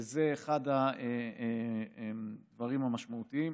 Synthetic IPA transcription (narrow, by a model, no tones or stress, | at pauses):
zeːχadaeeemd̪vaʁimhamaʃmaut̪iim